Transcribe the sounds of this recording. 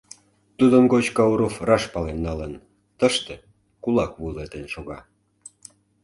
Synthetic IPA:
t̪ud̪ənɡot͡ɕkɑuɾofrɑʃpɑlenːɑlən | t̪əʃt̪ĕ | kulɑkβulet̪enʃoɣɑ

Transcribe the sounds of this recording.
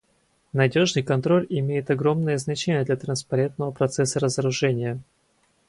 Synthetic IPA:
nɐdʲo̞ʐnɨjkɐnt̪ɾo̞lʲɪmʲejɪt̪ɐɡɾo̞mnɨjəznɐt͡ɕenʲɪjəd̪lʲɐt̪ɾənspɐɾʲe̞nt̪nəvəpɾɐt̪sɛsːəɾəzəɾʊʐɛnʲɪjə

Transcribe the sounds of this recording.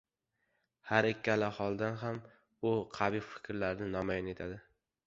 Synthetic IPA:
haɾɪkʲːalahɒlˠd̪anɦam | ʊqʰabijfɪ̥kʲɾlaɾnɪnɒmajɒne̞t̪ʰad̪ɪ

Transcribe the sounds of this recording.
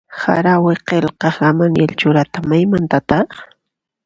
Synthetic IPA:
sa̰ɾawɪqelqɑχɡamanjelt͡ʃʊɾat̪amajmant̪at̪ɑχ

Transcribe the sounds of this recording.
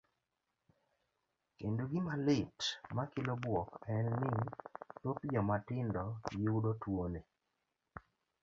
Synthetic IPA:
kenduɡɪmalɪtmakɪlɔbwɔkɛnːɪtot̪d͡ʒɔmatɪndɔɡɪudotwone

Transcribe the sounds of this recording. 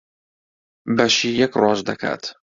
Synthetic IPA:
bɐʃiːjɛkrɑːʃd̪ɐkʰa̰ːt̪

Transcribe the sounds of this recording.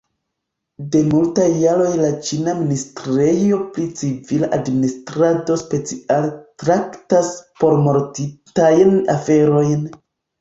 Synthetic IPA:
de̞multajːaɾo̞jlat͡ʃinaministɾejo̞plit͡sivilaʔadministɾado̞spe̞t͡sialtɾaktaspo̞ɾmo̞ɾtitajna̰fe̞ɾo̞jn

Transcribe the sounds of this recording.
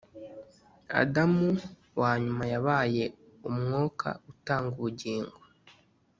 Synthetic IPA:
a̰damu | waːɲumajaβaːje̞ | umŋoːkʰa̰utaːŋɡuβuɟiːŋɡo

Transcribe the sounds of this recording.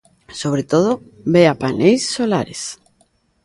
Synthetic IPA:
soβɾet̪oð̞o | beapanejsːolaɾḛs

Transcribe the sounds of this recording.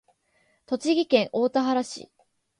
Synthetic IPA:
t̪o̞t͡ɕiɡʲikẽ̞ŋʔo̞ːt̪aɦaɾaɕḭ

